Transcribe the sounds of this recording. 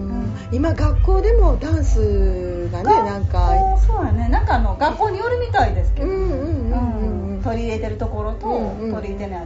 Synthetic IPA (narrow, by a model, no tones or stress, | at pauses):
ɯ | imaɡakːo̞ːd̪e̞mo̞d̪ãɰ̃sɨ | ɡ̪anenãŋkasoːnane̞nãŋkaːno̞ɡakːo̞ːɲ̟ijoɾɯ̟mʲit̪aid̪e̞sɨ̥keɯ̟̃ɯ̟̃ːɴɯ̟̃ːɯ̃ɴ | t̪o̞ɾʲiːɾe̞t̪e̞ɾɯ̟t̪o̞ko̞ɾo̞t̪o̞ | t̪o̞ɾʲit̪e̞na